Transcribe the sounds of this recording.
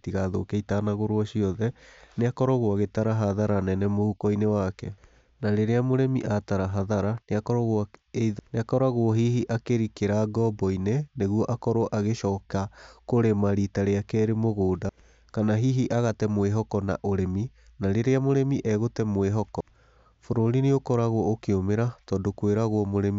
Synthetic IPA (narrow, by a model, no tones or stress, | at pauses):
tiɣaðo̰keitaːnaɣoɾoɔɕiɔðɛneakɔɾɔɣoaɣetaɾaɦaðaɾanɛnɛmoukɔinewakɛ | naɾeɾeamoɾɛmiʔataɾaɦaðaɾaneakɔɾɔɣoaeiðneakɔɾaɣoɔɦiɦiʔakeɾikeɾaɡɔbɔineneɣwɔʔakɔɾoɔʔaɣeʃɔːkakoɾemaɾitaɾeakɛːɾemoɣoːda | kanaɦiɦiʔaɣatɛmweɦɔkɔna̰ʔoɾɛmi | naɾeɾeamoɾɛmiʔɛɣotɛmweɦɔkɔ | foɾoɾineokɔɾaɣoɔokeomeɾatɔːdokweɾaɣwɔmoɾɛmi